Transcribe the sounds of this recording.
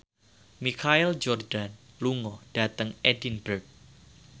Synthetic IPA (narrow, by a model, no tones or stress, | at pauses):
mikʰaild͡ʒɔrd̥an | luŋɔd̥at̪əŋɛdinbərk̚